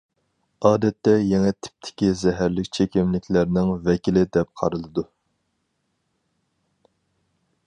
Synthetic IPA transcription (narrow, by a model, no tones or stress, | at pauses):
ɑːd̪ɛt̪ʰːɛjɛŋɛt̪ʰɪ̥p̚t̪ʰɪ̥kʲizɛɦæɾlɪkʲt͡ʃʰekʲimlɪkʲʰlæɾnɪŋvɛkʲilɪd̪ɛp̚qʰɑ̰ɾɨlˠɨd̪u